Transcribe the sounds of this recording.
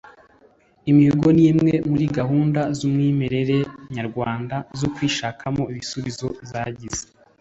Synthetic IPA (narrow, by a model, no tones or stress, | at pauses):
imihuɡo̞niːmŋe̞muɾiɡahuːndazumŋiːme̞ɾe̞ɾe̞ɲaɾɡwaːndazokwiːʃakʰamo̞iβisuβizo̞zaɟize̥